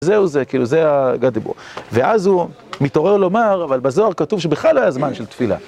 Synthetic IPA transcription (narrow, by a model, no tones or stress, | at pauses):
zeuzekiːluzeaɡadibo̰veʔazhu | mito̞ʁe̞ʁlo̞maʁavalbazo̞aʁkatuvʃ̬ebiχlaloajazmanʃelt̪fila̰